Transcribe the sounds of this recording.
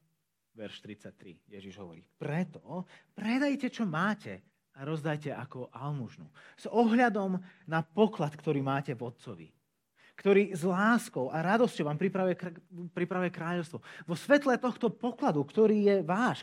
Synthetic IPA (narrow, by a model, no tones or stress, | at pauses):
ʋɛɾʃt̪ɾit͡sac̚t̪ɾḭjɛʒiʒɦɔ̰ʋɔɾḭːpɾɛt̪ɔpɾɛd̪ajcɛt͡ʃɔmaːcɛ | aɾɔzd̪ajcɛʔakɔʔalmuʒnṵz̥ɔɦʎad̪ɔmnapɔklat̪kt̪ɔɾiːmaːcɛvɔt̪̚t͡sɔʋḭ | kt̪ɔɾiːzlaːskɔʊaɾad̪ɔscɔʊʋaːmpɾipɾaʋujɛpɾipɾaʋujɛkɾaːʎɔʊst̪ʋɔʋɔsʋɛt̪lɛt̪ɔxt̪ɔpɔklad̪ukt̪ɔɾiːjɛʋaːʃ